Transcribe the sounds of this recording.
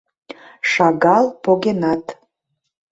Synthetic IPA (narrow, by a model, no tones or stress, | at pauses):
ʃɑɡɑlˠpoɡʲenɑt̪